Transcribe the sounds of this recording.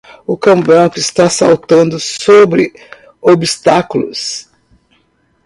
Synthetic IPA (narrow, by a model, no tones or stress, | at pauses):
ʊkɐ̃w̃bɾɐ̃kʊɪst̪asawt̪ɐ̃nd̪ʊsobɾɪ | obist̪akʊlʊ̰s